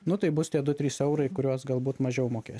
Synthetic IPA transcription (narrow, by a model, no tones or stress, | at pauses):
nʊt̪ɐɪbʊst̪ʲiɛd̪ʊt̪ʲɾʲiːsɛʊɾɐɪkʊɾʲuɔsɡɐlˠbuːt̪mɐʒʲɛʊmoːkʲḛːs